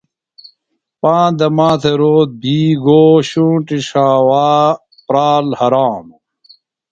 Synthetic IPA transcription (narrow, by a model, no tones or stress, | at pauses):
pãːd̪ɐmãːt̪ʰeɾoːt̪̚biːɡoːɕũːʈiʂaːwaː | pɾaːlhɐɾaːm